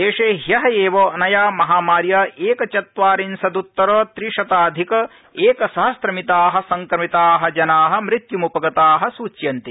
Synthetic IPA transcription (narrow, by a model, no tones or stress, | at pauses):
eːʂeːɦjɐɦɐeːʋoːnɐjaːmɐɦaːmaːɾjɐeːkɐt͡ʃɐt̪ʋaːɾinsɐd̪ut̪ːɐɾɐt̪ɾiʂɐt̪aːd̪ʱikɐ | eːkɐsɐɦɐsɾɐmit̪aːɦɐ̆sɐŋkɾɐmit̪aːɦɐ̆d͡ʒɐnaːɦɐ̆mɾit̪jumupɐɡɐt̪aːɦɐ̆suːt͡ʃjɐnt̪i